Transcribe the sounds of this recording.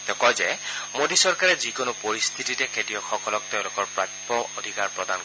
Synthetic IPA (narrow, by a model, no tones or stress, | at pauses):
tɛkɔjzɛmodisɔɹkaɹɛzikonʊpoɹist̪ʰititɛkʰetijɔxɔkɔlɔk̚teʊ̃lʊkɔɹpɹak | ɔodʱikaɹpɹɔdan